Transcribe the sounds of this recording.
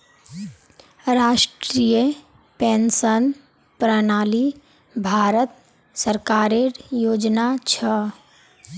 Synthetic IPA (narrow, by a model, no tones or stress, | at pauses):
ɾaːʃʈɾijə | pẽnsən | pɾənaːli | bʱaːɾət̪̚ | səɾkaːɾeɾjoːd͡ʒnat͡ʃʰə